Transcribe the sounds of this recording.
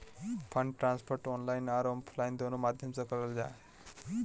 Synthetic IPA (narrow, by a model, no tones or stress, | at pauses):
pʰəɳɖʈɾãːnspʰoɾʈɔnlajnaːɾoːmbpʰlajnd̪onomaːd̪ʱjəmsəkəɾəld͡ʑa̰ː